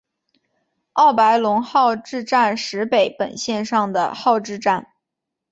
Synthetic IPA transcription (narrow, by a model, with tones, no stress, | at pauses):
ɑ˥˩ʊpa˧˥ɪlʊ˧˥ŋxɑ˥˧ʊʈ͡ʂɻ̩˥˧ʈ͡ʂa˥˩nʂɻ̩˧˥pe˨˩ɪpə̰˨˩nɕjɛ˥˧nʂɑ˥˩ŋd̪ə̰˩xɑ˥˧ʊʈ͡ʂɻ̩˥˧ʈ͡ʂa˥˩n